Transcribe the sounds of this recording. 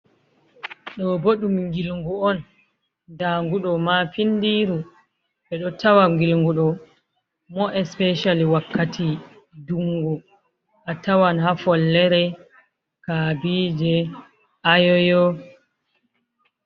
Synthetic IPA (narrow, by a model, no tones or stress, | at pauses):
ɗɔboɗumŋɡilŋɡuɔn | daːŋɡuɗɔmafindiɾu | ɓɛɗɔtawaŋɡilŋɡuɗɔ | mɔʔɛspɛʃaliwakːatʰi | duŋɡɔ | ʔatawanhafɔlːɛɾɛ | kabiːd͡ʒɛ | ʔajɔjɔ